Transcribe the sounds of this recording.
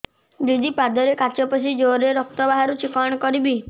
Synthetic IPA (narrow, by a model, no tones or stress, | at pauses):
d͡ʒud̪ipad̪ɔɾekat͡ʃɔpɔt͡ʃʰid͡ʒoɾeɾɔk̚t̪ɔbaɦaɾut͡ʃikɔɳ̃ɔkɔɾibi